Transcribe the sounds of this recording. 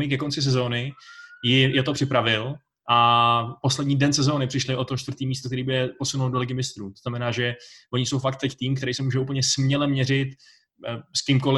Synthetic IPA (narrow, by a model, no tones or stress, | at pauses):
mɪkɛko̞nt͡sɪs̬ɛzo̞ːnɪjɪjɛt̪opr̥ɪpɾavɪl | ʔapo̞slɛdɲiːdɛnsɛzo̞ːnɪpr̥ɪʃlɪʔo̞t̪ot͡ʃt̪vrɾt̪iːmiːst̪okt̪ɛɾiːbɪɛpo̞sunuldo̞lɪɡɪmɪst̪ɾuːt̪oznamɛnaːʒɛvo̞ɲɪso̞wfak̚t̪ːɛct̪iːmkt̪ɛɾɛjsɛmuːʒɛup̬l̩ɲɛsmɲɛlɛmɲɛrɪt̪ | skɪmko̞lɪ